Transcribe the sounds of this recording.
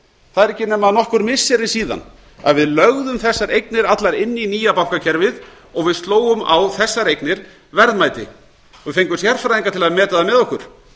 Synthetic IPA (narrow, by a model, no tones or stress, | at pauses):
θaðɛɾɛhcːɪnɛmaðnɔhkʏɾmɪsːɛɾɪsiːða̰n | a̰ðvɪðlœɣðʏmθɛsːaɾejknɪɾat̪laɾɪnːɪiniːjapawhkacʰɛɾvɪð | ɔɣvɪðst̪loːwʏma̰wθɛsːaɾejknɪɾ | vɛɾðmaːjt̪ɪ | ɔɣvɪðfejŋkʏmsjaɾfɾajðiŋkat̪ʰɪlaðmɛːt̪aðamɛðɔhkʏɾ̥